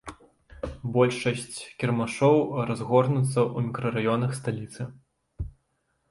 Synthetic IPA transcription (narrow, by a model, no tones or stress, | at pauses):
bɔlʲʂɐsʲt͡sʲkʲɛrmaʂɔwɾazɣɔrnut̪sːɐʔumʲikɾɐɾajɔnɐxst̪alʲit̪sɨ